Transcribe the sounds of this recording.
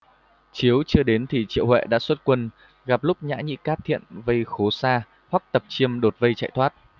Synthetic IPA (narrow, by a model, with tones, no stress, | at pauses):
t͡ɕi˨˦əwt͡ɕɨ˧əɗe˨˦nt̪ʰi˨˩t͡ɕḭ˧˨əwɦwɛ̰˧˨ɗa̰ː˧˥swə˦˥t̚kwə˧n | ɣa˨˩p̚lʊ˦˥k͡p̚ɲa̰ː˧˥ɲḭ˧˥kaː˦˥p̚t̪ʰḭ˧˨ənvə˧jxo˨˦saː˧ | hwa˦˥k̚t̪ə˨˩p̚t͡ɕi˧əmɗo˨˩t̚və˧jt͡ɕa̰˧˨jt̪ʰwaː˦˥t̚